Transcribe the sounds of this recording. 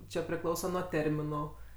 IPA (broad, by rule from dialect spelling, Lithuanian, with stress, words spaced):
ˈt͡ʃʲɛ pʲrʲɪˈklˠɐʊsɐ nuɔ ˈtʲɛrʲmʲɪnʊ